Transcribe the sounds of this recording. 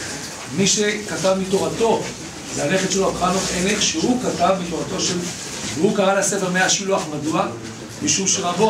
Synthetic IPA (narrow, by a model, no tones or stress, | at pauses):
miʃe̞katavmito̞ʁato̞ | zeale̞χet̪ʃeloakʁanoχeneχʃehukatavmito̞ʁato̞ʃel | veukaʁalhase̞feʁmeaʃiluaχmadua | miʃumʃeʁabo